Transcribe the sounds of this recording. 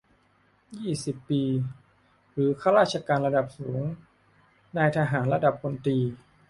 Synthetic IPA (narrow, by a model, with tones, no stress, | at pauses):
jiː˥˩si˨˩pːiː˧ | ɾɯː˩˦kʰaː˥˩ɾaː˥˩t̪̚t͡ɕʰa˧kaː˧nɾa˧da˨˩p̚suː˩˦ŋ | na˧jt̪ʰa˧ɦaː˩˦nla˧da˨˩p̚ːo˧nt̪iː˧